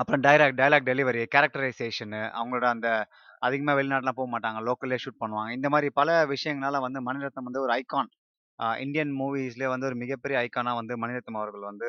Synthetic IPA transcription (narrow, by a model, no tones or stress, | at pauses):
ɐpːɯɾõɖɐɪɾaːk̚ɖɐjɐlaːk̚ɖɛlɪʋɐɾikɐɾɐk̚ʈɐɾɐɪseːʂɐnʔɐ̰ʋɐŋɡɐɭoːɽɐɐnd̪ɐ | ɐðɯɣɐmeːʋɛɭɪnaːʈɐlãːpoːɣɐmaːʈːaːŋɡɐloːkɐleːʂuʈ̚pɐɳːɯʋãːŋɡɐɪnd̪ɐmaːd̪ɾipɐlɐʋɪʂɐjɐ̃ŋɡɐlaːlɐ̃ʋɐnd̪ɯmɐnɪɾɐt̪ːɐmʋɐnd̪ɯɔɾɯɐɪkːaːn | ɪ̰ɳɖɪjɐnmuːʋiːsleʋɐnd̪ɯɔɾɯmɪɣɐpːɛɾɪjɐɐɪkːaːnaːʋɐnd̪ɯmɐnɪɾɐt̪ːɐmɐʋɐɾɣɐɭʋɐnd̪ɯ